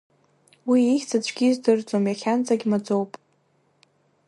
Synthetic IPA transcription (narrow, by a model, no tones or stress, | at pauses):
wiiχʲt͡sʰat͡ɕʷʰɡʲizdɨrd͡zʼomjaχʲant͡sʼaɡʲmad͡zo̞wpʼ